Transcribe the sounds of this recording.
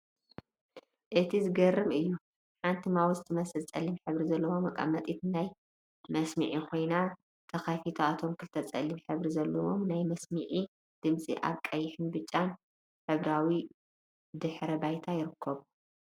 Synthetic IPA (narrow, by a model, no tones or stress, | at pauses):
ʔɨt̪ʰizɨɡɐrːɨmɨjːu | ħant̪ʰimawuzɨt̪ʰɨmɐsɨlt͡sʼɐ̰lːimħɨβɾizɐlːɐwo̞mɐkʼa̰mːɐt̪ʼit̪naj | mɐsmɨ̰ʕikʰo̞jna | t̪ʰɐxafit̪ʰoat̪ʰo̞mkʰɨlt̪ʰɐt͡sʼɐ̰lːimħɨβɾizɐlːɐwo̞̰mnajmɐsmɨʕi | d̪̥ɨmt͡sʼḭʔa̰βkʼɐjːɪħɨnbɨt͡ʃʼːan | ħɨβɾawi | d̪ɨħɾɐbajt̪ʰajɪɾɨkʰːɐβu